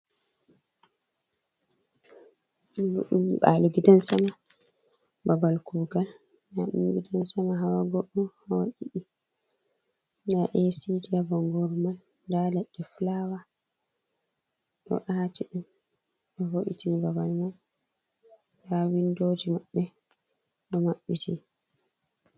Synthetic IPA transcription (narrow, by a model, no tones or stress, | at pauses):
milṵɗṵmḭɓa̰luɡidansama | babalkuːɡal | na̰ɗṵmɡidansamaɦawaɡɔɗːuhawaʔiɗi | naʔɛsiɡidabɔŋɡɔɾmal | dalɛɗːɛflawa | ɗɔ̰ʔatiɗum | ɗɔvoʔḭtimibabalmal | dawindoːd͡ʒimaɓːɛ | ɗɔmaɓːitʰi